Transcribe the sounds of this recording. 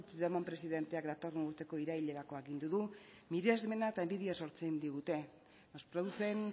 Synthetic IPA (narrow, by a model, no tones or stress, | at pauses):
t͡sðemompɾe̞siðe̞nt̪e̞akd̪at̪o̞ruɾt̪e̞ko̞iɾaiʎe̞ɾako̞akɣind̪uðu | miɾiazme̞naet̪aembiðiaso̞ɾt͡send̪iɣut̪e̞ | nospɾoðuse̞n